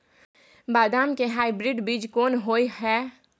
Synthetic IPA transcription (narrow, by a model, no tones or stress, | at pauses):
baːd̪aːmkeɦaːɪbɾɪɖbiːd͡ʒkoːnɦoːiɦɛː